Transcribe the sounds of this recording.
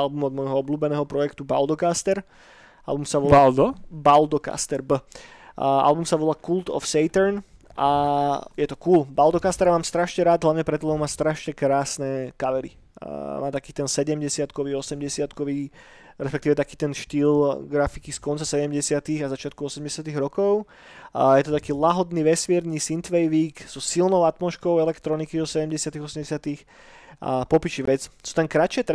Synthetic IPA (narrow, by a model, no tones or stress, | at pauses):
albumɔd̪mɔjɦɔɔbluːbɛnɛːɦɔpɾɔjɛkt̪ubald̪ɔkast̪ɛɾ | ʔa̰lbumsaʋɔald̪bald̪ɔka̰st̪ɛɾbə | a̰lbumsaʋɔlaːkuld̪ɔ̰fsɛjt̪ɛɾn | ʔajɛt̪ɔkuːlbald̪ɔkast̪ɛɾamaːmst̪ɾaʃɲɛɾaːd̪ɦlaʋɲɛpɾɛt̪̬ɔlɛnmaːst̪ɾaʃɲɛkɾaːsnɛkaʋɛɾḭ | ma̰ːt̪akiːt̪ɛnsɛɟɛmɟɛsɪat̪kɔʋiːɔsɛmɟɛsɪat̪kɔʋiː | ɾɛspɛk̚t̪iːʋɛt̪akiːt̪ɛnʃt̪iːlɡɾafikiskɔnt͡sasɛɟɛmɟɛsɪat̪iɣazat͡ʃɪat̪̚kuɔsɛmɟɛsɪat̪iɣɾɔkɔʊ | jɛt̪ɔt̪akiːlaɦɔd̪niːʋɛsmiɛɾɲiːsint̪ʋɛjʋiːkz̥ɔsilnɔʊat̪mɔʃkɔʊɛlɛkt̪ɾɔnikizɔsɛɟɛmɟɛsɪat̪iɣɔsɛmɟɛsɪat̪ix | pɔpit͡ʃiʋɛt͡ssu̥t̪ɛŋkɾat͡ʃɪɛt̪